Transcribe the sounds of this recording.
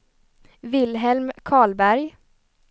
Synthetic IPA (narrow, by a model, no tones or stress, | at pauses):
vɪlɦɛlmkʰɑːɭbæɾj